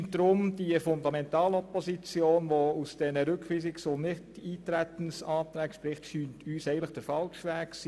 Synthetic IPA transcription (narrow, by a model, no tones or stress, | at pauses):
nd̥ɾʊmd̥iəfʊndɑmɛntɑːlɔpɔsit͡sjoːnʋɔusd̥ɛnəɾʏkʋiːsɪksʊnnɪtiːtɾætən̩sɑːtɾæːkʃpɾɪχtʃyːntʰyːsɛɪən̩ləχd̥əɾfɑlʃʋæːksi